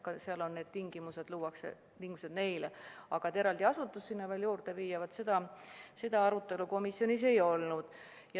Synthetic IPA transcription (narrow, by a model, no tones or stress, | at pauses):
kɑseɑlo̞nne̞ːd̪̥̚t̪iŋɡ̥imuse̞d̪̥luːwɑksḛ | t̪iŋɡmuse̞d̪ne̞jleɑɡ̥ɑt̪eɾɑld̪iɑsut̪ːˑusːinːɑveːljuːrd̪eviːjɑvɑt̪se̞d̪̥ɑse̞d̪̥ɑɑɾut̪ːˑe̞luko̞misjo̞nise̞jo̞lnud̪̥ | jɑ